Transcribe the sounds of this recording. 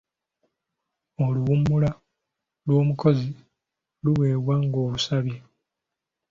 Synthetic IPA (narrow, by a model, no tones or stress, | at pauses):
o̞luβumːula | lwo̞ːmuko̞zi | luwe̞ːβwaŋɡo̞ːβusaβje